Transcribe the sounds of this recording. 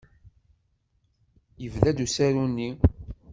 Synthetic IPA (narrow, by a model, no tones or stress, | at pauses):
jəvlæd̪usæɾunːi